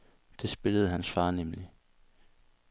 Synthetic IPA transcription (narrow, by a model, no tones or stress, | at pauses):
d̥e̝sb̥e̝ləð̞̩ˠɦænsfɑ̈ːnemli